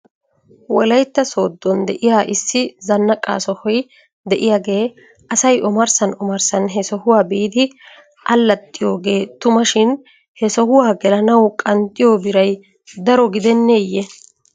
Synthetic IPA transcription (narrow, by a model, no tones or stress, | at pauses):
wɔlɐjt̪ːɐso̞ːd̪ːɔnd̪ɛʔɪjaːʔɪsːɪzɐnːɐkʼa̰ːsɔhɔj | d̪ɛʔɪjaːɡe̞ː | ʔɐsɐjʔɔmɐɾsɐnɔmɐɾsɐnɦɛsɔhʊwaːbiːd̪ɪ | ʔɐlːɐt̪ʼːɪjo̞ːɡe̞ːt̪ʊmɐʃɪn | hɛsɔhʊwaːɡɛlɐnɐwkʼɐnt̪ʼːɪjoːbɪɾɐj | d̪ɐɾɔɡɪd̪ɛnːejːɛ